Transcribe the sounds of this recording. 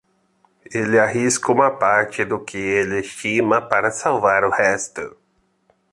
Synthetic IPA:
elɪaɦiskɐũmɐpaɾt͡ʃɪd̪ʊkʰɪelɪst͡ʃimɐpaɾɐsawvaɾʊhɛst̪ʊ

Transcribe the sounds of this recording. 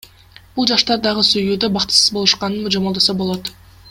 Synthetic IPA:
b̥ulˠd͡ʒɑʃt̪ɑɾd̪ɑʁəsyjyd̪øbɑqt̪ɨ̥sɯzbo̞lˠuʃqɑnɯnmd͡ʒomolˠd̪osɑbo̞lˠot̪

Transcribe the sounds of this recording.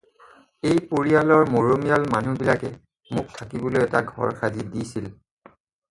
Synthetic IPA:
ejpoɹialɔɹmoɹomijalmanubilakɛ | mʊk̚tʰakibɔlojɛta̰ɡʱɔ̰ɹkʰazidisil

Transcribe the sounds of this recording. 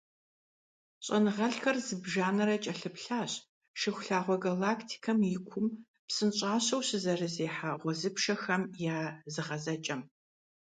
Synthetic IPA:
ɕʼɐnɨʁɐɬxɐrzɨbʒaːnɐɾɐt͡ʃʼɐɬɨpɬaːɕ | ʃɪxʷɬaːʁʷɔɡɐlaːkʰtʰi̥kʰɐmjɪkʷʰʊm | psɨnɕʼaːɕɐwɕɨzɐrɨzeːħaʁʷɔzɨpʂɐxɐmjaːzɨʁɐzɐt͡ʃʼɐm

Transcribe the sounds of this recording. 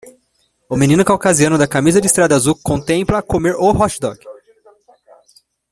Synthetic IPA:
ʊmẽnĩnʊkawkaziɐ̃nʊd̪ɐkamizɐd͡ʒɪist̪ɾad̪ɐazukõnt̪ẽmplɐkomeɾoɦɔʃd̪ɔ̰ɡ

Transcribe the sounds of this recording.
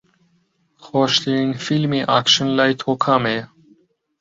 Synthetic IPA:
xɔʃliiŋfilmiʔakʃənlajt̪ʰhokʰame

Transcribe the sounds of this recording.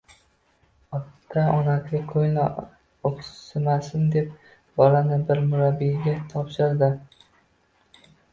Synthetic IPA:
ɒt̪ʰːaɒnakʰʲɪkʰojnɪ | opsɪmasɪnd̪e̞p̚ | bɒlanɪbɪɾmʊɾabːijɡʲat̪ʰɒpʃɪɾd̪ɪ

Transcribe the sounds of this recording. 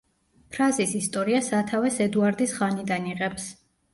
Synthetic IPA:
pʰɾazisist̪ʼɔɾiasat̪ʰavɛsɛd̪uaɾd̪isχanid̪aniʁɛps

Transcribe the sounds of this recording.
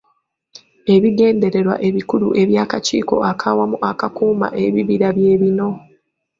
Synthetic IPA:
e̞βiɡe̞ːnde̞ɾe̞ɾwa̰ʔe̞βikulṵʔe̞βjaːkacḭːko̞̰ʔakʰawamuʔakakuːma̰ʔe̞βiβiɾaβje̞ːβino̞

